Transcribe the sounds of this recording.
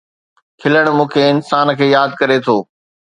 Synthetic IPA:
kʰɪləɽ̃mũːkʰeɪnsaːnkʰeːjaːd̪̚kɐɾet̪ʰoː

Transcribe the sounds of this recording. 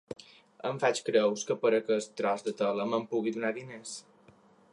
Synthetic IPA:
ə̰ɱfat͡ʃkɾəwskəpəɾəkəst̪ɾɔzd̪ət̪ələməmpuɣiðunaðines

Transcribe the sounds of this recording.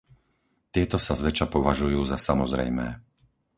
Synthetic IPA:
t̪ɪɛt̪ɔsazʋɛt͡ʃapɔʋaʒujuːzasamɔzɾɛ̰jmɛː

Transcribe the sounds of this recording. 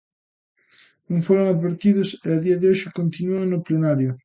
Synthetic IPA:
uŋfoɾoŋaðβeɾt̪iðʊseaðiɐðɪoʃɪkont̪inuonʊplenaɾjʊ

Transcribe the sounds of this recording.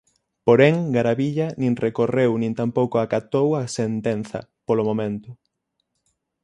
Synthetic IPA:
poɾeŋɡaɾaβiʎɐnĩŋrekorewnĩnt̪ampowkoakat̪owasent̪en̟θɐ̰polomomẽnt̪ʊ

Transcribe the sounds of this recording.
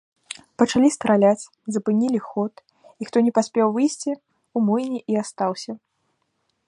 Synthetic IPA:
pɐt͡ʂalʲist̪ɾalʲat͡sʲ | zɐpɨnʲilʲixɔt̪ | ixt̪ɔnʲɛpasʲpʲɛwvɨjsʲt͡sʲi | umɔjnʲiʔiast̪awsʲɐ

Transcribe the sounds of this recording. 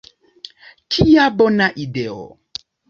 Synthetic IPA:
kʰijabɔnãʔiɖeɔ̰

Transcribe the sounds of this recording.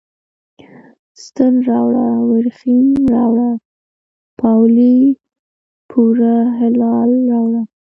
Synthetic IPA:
st̪ənɾɑwɽawɪɾxinɾɑwɽa | pɑwli | pʰuɾaɦɪlɑlːɑwɽa

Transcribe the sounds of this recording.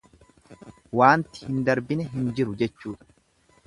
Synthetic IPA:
waːnt̪ɪ̥hɪnd̪ɐɾbɪnɛɦɪnd͡ʒɪɾʊd͡ʒɛt͡ʃːuːᶑɐ̥

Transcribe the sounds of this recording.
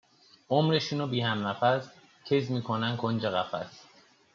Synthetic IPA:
omɾeʃuːnobiːhæmnæfæz | cʰezmiːkʰonænkʰond͡ʒeɣæfæ̰s

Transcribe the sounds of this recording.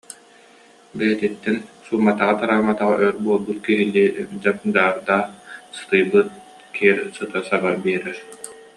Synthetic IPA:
bɛjɛt̪it̪ːɛnsuːmːat̪aʁat̪aɾaːmat̪aʁaʔœɾbuɔlˠbut̪kiɦiliɛd͡ʑap̚d̪aːɾd̪asɯ̥t̪ɯjbɯt̪̚ | kʰiɛɾsɯt̪asabaɾbiɛɾɛɾ

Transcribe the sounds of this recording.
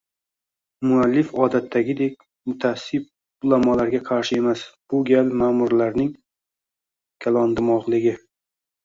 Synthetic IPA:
mʊalːɪfɒd̪at̪ʰːaɡʲɪd̪e̞kʲ | mʊt̪ʰasib̚ | ʊlˠamɒlaɾɡʲaqʰɑɾʃɪe̞masb̥ʊɡʲalmaːmʊɾlaɾnɪŋ | kʲʰalˠɒnd̪ɪmɒʁlˠɪɡʲɪ

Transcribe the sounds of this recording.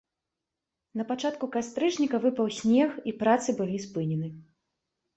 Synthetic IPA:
nɐpat͡ʂat̪kukast̪ɾɨt͡ʂnʲikɐvɨpɐwsʲnʲɛxipɾat̪sɨbɨlʲispɨnʲɛnɨ

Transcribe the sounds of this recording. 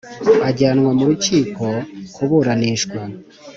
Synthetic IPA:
βaɟaːnŋwamuɾuciːkokʰuβoɾaniʃkwa

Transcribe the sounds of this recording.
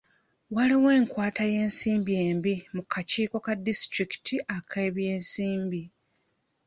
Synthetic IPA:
waliwe̞ːŋkwaːtaje̞ːnsiːmbije̞ːmbimukʰaciːko̞kadistɾiki̥tiʔakʰe̞ːβje̞ːnsiːmbi

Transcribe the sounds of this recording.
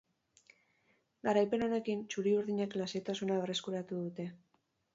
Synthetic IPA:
ɡaɾajpe̞no̞ne̞kint͡ʃuɾiuɾðiɲeklaset̪asunaβere̞skuɾat̪uðut̪e̞

